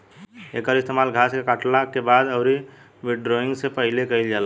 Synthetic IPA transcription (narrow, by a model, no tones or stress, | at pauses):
ḛːkəɾɪst̪eːmaːlɡʱaːskekaʈlakebaːd̪əʊɾi | mɪɖɾoɪ̃ŋɡsepəɦɪlekəild͡ʒaːla